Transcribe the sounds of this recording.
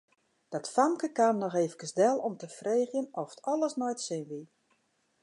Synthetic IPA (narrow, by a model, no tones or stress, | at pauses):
d̥ɔtfamkəkannɔxeːfəkəsdɛlˠɔmtəfreːɣjənɔfə̥tʰɔlˠəsnɔjtsɪnʋi